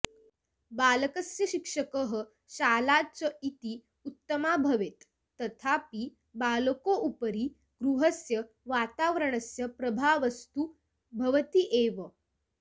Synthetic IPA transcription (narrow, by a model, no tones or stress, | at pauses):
baləkəsjəɕikʂəkəɦə | ɕaːlat͡səit̪i | ut̪ːəmabʱəʋet̪ː | ət̪ʰapi | balkoʔupɾiː | ɡɾuɦəsjə | ʋat̪aʋɾəɳəsjəpɾɐbʱaʋəst̪u | bʱɐʋət̪iʔeʋə